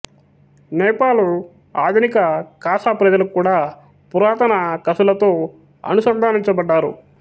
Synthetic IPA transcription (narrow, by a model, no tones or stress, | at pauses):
nɛːpaːlu | aːd̪ʱunikɐkaːʃaːpɾɐd͡ʒɐlukːuːɽaː | puɾaːt̪ɐnɐkɐsulɐt̪o̞ː | ɐ̰nusɐnd̪ʱaːniɲt͡ʃɐbɐɖːaːɾṵ